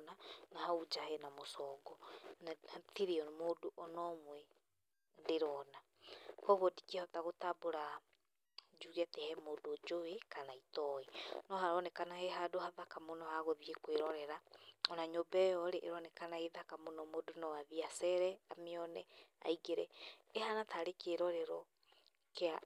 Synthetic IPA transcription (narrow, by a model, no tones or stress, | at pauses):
nanahaud͡ʒahɛnamosɔːɡɔnahatiɾeɔmodoʔɔnɔmwɛ | ndeɾɔna | kɔɣodi̥kɛhɔtaɣotaboɾa | d͡ʒuɣɛtɛhɛmoːdod͡ʒowekanaitɔenɔɦaɾɔnɛkanaheɦadohaðakamonɔhaɣoðiekweɾɔɾɛɾaɔnaɲobɛjɔɾeʔːɾɔnɛkanaeðakamonɔmodonɔwaðiasɛɾɛameɔnɛa̰iɡeɾɛehanataɾekeɾɔɾɛɾɔ | kea